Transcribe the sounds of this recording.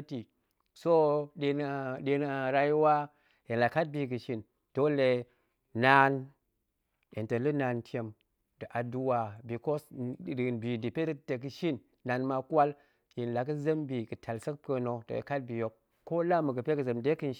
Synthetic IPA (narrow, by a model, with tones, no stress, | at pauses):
ti˨ | so˦ɗe˨na˨ɗe˧na˨ɾa˦ji˦wa˦ | ji˨nla˨ka˦t̚bi˨kɨ˨ʃi˦n | d̥o˦le˨ | na˦n | ji˨ntə˨lɨ˦na˨ntʰʲe˦m | dɨ˨ʔa˨du˦wa˨bi˨ko˦snbi˨di˨pe˦te˨k̬ɨ˨ʃi˦nː | a˨nma˧ka˦l | ji˨nla˨kɨ˦zə˦mbi˨kɨ˨tʰa˨lsə˦k̚pə˧no˨do̰˨ka˦t̚bi˨jo˨kː | o˦la˦mɨ˨kɨ˨pe˦kɨ˨zə˨mde˦kɨ˦nʃ